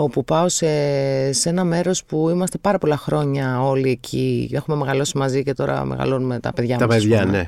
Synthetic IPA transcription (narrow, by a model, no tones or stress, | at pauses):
o̞pupɐosese̞nɐme̞ɾo̞spuimɐst̪e̞pɐɾɐpo̞lɐxɾo̞ɲɐo̞lie̞cʰie̞xume̞me̞ɣɐlo̞simɐzice̞t̪o̞ɾɐ̰mḛɣɐ̰lo̞nume̞t̪ɐ̰pe̞ðʝɐmt̪ɐpeðʝɐne